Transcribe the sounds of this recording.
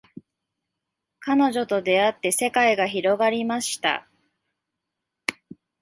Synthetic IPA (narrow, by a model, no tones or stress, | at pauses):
kano̞ʑo̞t̪o̞d̪e̞at̪ːe̞se̞kaiɡaçiɾo̞ɡaɾʲimaɕi̥t̪a̰